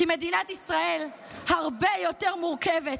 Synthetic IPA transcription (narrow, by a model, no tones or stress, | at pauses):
ime̞d̪inat̪isʁae̞l | haʁbe̞jo̞t̪e̞ʁmuʁkevet